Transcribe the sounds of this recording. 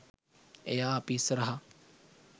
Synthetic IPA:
ejaːpisɾɐɦa

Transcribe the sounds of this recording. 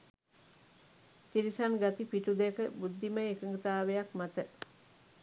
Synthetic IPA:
t̪iɾisanɡat̪ipiʈud̪ekəbud̪ːiməekəŋɡət̪aːʋejakmat̪ə

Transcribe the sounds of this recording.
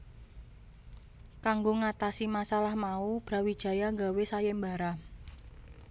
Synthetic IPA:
kaŋɡoŋat̪asimasalahmaub̥ɾa̤wid̥ʒ̥a̤jaŋɡawesajɛmbaɾa

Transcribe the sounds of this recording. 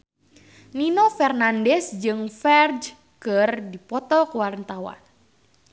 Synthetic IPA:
ninofɛrnandɛsd͡ʒɨŋfɛrd | kɨrdipɔt̪ɔkəwarnt̪awa̰n

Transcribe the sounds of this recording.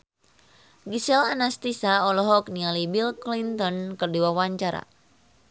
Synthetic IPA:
ɡisɛlanast̪isaɔlɔɦɔk̚nialibilklint̪ɔnkərduwawaɲt͡ʃaɾa̰

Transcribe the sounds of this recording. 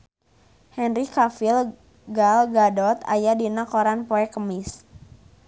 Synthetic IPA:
hɛnɾikafil | ɡalɡadɔt̪a̰jadinakɔɾanpɔɛkəmis

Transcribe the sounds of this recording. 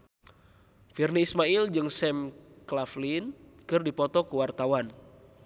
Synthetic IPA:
firniːsmaild͡ʒɨŋsɛm | klaflin | kɨrdipɔt̪ɔkuwart̪awan

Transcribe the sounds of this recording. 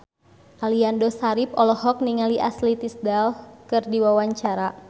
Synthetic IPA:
ʔaliandɔsaɾip̚ɔlɔhɔk̚niŋaliʔaslit̪isdalkɨrdiwawaɲt͡ʃaɾa

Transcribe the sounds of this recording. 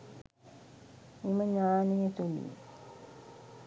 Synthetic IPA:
iməɲaːnejet̪ulḭː

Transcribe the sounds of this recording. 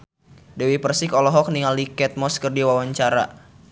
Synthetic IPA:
dɛwipərsikɔlɔɦɔk̚niŋalikɛt̪̚mɔskərdiwawaɲt͡ʃaɾa̰

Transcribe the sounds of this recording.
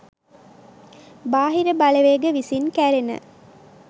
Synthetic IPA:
baːɦiɾəbaləʋeɡəʋisinkæɾenə̰

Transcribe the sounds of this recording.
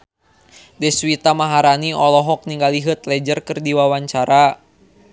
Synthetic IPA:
dɛswit̪amaɦaɾaniɔlɔɦɔk̚niŋɡaliɦɨt̪̚lɛd͡ʒərkɨrdiwawaɲt͡ʃaɾa

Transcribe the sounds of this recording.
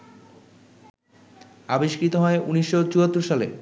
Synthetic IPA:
abeʃkit̪oɦɔeʔuniʃːot͡ɕuɦat̪ːuɾʃalḛ

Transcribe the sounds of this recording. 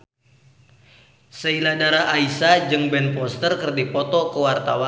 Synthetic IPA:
səiladaɾaʔaisad͡ʒɨŋbɛnpɔst̪ərkərdipɔt̪ɔkəwart̪a̰wa

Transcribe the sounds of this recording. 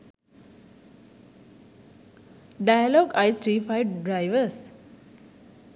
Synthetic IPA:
ɖajalɔːɡaɪt̪ʰɾiːfaɪɖɾaɪʋəs

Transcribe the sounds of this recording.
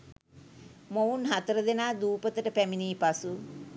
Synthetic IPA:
mounɦat̪əɾəd̪enaːd̪uːpət̪əʈəpæminiːpasu

